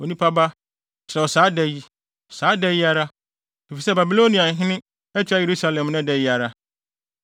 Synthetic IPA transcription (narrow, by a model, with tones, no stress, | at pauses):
o˨nĩ˦pʰa˦ba˦ | t͡ɕɪ˨ɾɛ˨wɔ˨saː˨˦dɛ˦ji˦˨ | saː˨˦dɛ˦ji˦a˦ɾa˦ | i˨fi˨sɛ˦ba˨bi˨lo˦nĩ˨ã˨ɦɪ̃˦nɪ̃˦ | ɛ˦t͡ɕʰᶣa˦je˨ɾu˦sa˦lɛ̃˨mnɪ̃˦dɛ˨ji˦a˨ɾa˦